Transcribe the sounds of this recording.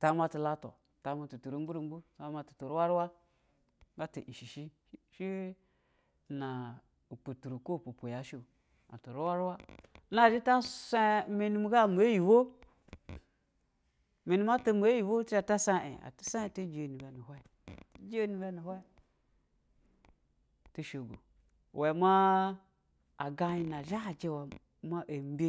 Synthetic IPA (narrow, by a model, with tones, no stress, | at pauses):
ta˨˦m˦a˦ti˨la˦to̰˨ | ta˨˦ma˨tu˨tu˨ɾu˦ŋ˦ɡu˦ɾu˦ŋ˦ɡu˦sa˨˦a˦ma˨tu̥˨to˨ɾu˦wa˦ɾwa˦ | ɡa˦to̰˨ʔi˨ʃi˨ʃi˦ | ʃi˦˨ | na˨ | u˨pu˨tu˨ɾu˨ko˦˨pu˨po˨ja˨˦ʃo˦˨ | a̰˨to˨ɾu˦wa˦ɾwa˦na˦˨d͡ʒi˦ta˦sa˦me˨nu˦m˦ɡa˦˨mu˨e˦ji˨wo˦ | me˨nu˦ma˦to˦mu˨e˦ji˨wo˦ta˨ta˦sa˦ḛ˨a̰˨ta˦sa˦e˨to˦d͡ʒe˦˨nu˨ba˨nu˨ha˦˨˦ | d͡ʒe˦nu˨ba˦nu˨hʷa˦ | tu˦ʃo˨ɡo̰˨ | we˨ma˦ | a˨ɡa˨ji˨na˨ʒa˦˨d͡ʒe˦wa˨ | ma˦ʔe˨m˦bʲe˦